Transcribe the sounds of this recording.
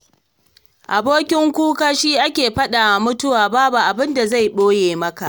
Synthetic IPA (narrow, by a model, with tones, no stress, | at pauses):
ʔa˨boː˦kʲɪ˦ŋkʷuː˦kaː˦ʃiː˦ʔa˦kʲeː˨ɸɐ˦ɗa˨a˨mʊ˦tʊ˦waː˨baː˦ba˨ʔa˨bɪ˦nda˨za˦˨jɓoː˦jeː˨mɐ˦ka˨ʔ